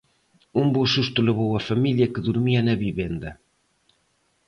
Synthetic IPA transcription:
umbosust̪ulɪβowɐfamiljɐkəðuɾmiɐnɐβiβend̪ɐ

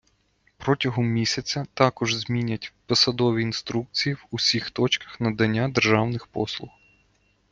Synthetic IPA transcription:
pɾɔtʲɐɦɔmːʲisʲɐt͡sʲɐt̪ɑkɔʒzmʲinʲɐtʲpɔsɐd̪ɔʋʲiːnst̪ɾuk̚t͡sʲijiwusʲixt̪ɔt͡ʃkɐ̥xnɐd̪ɐnʲːad̪erʒɑwnɪxpɔ̰slˠʊx

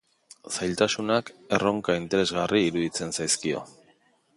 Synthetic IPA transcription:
sajlt̪asunake̞ro̞ŋkaint̪e̞ɾe̞zɣariːɾuðit͡se̞nsajskio̞̰

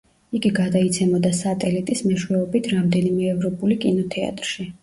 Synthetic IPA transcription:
iɡiɡad̪ait̪sʰɛmɔd̪asat̪ʼɛlit̪ʼismɛʃwɛɔbit̪ʰɾamd̪ɛnimɛːvɾɔpʼulikʼinɔt̪ʰɛa̰t̪ʼɾʃi

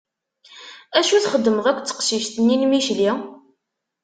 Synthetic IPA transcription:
æʃuθχəd̪ːəməʁækʷːt͡sːə̥qʃiʃt̪ənːinmiʃli

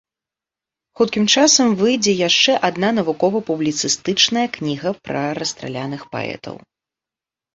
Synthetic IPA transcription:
xut̪̚kʲimt͡ʂasɐmvɨjd͡zʲɛjaʂt͡ʂɛʔad̪nanɐvukɔvɐpublʲit̪sɨst̪ɨt͡ʂnɐjɐknʲiɣɐpɾɐɾɐst̪ɾa̰lʲanɨxpa̰ɛ̰t̪ʰɐ̰w

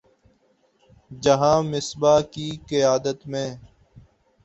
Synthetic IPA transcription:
d͡ʒəɦãːmɪsbaːkiːkɪjaːd̪ət̪mẽː

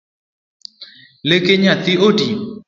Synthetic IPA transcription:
lekeɲat̪iodi

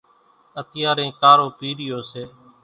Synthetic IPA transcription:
ət̪ɪjaːɾẽːkaːɾoːpiːɾɪjoːseː

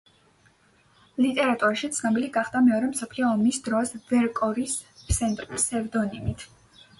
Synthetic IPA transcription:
lit̪ʼɛɾat̪ʼuɾaʃit̪sʰnɔbiliɡaχd̪amɛɔɾɛmsɔpʰliɔːmisd̪ɾɔsvɛɾkʼɔɾispsɛnt̪ʼɾpsɛvd̪ɔnimit̪ʰ

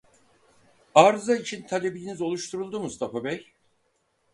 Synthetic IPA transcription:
aɾzait͡ʃʰint̪ʰalʲe̞bilʲinizo̞lˠuʃt̪ʰuɾulˠd̪umust̪ʰafabɛj

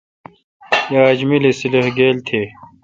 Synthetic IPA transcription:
jaːd͡ʑmilesileɦɡeːlt̪ʰeː

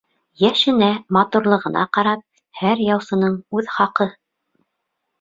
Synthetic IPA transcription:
jæʃɘ̆næmɑt̪uɾlˠɤ̆ʁɤ̆nɑ̰qɑɾɑp̚ | hæɾjɑwsɤ̆nɤɴʉðχɑqɤ

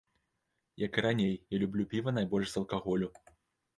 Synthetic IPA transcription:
jɐkɨɾanʲejjalʲublʲupʲivɐnajbɔlʲʂzɐlˠkaɣɔlʲu

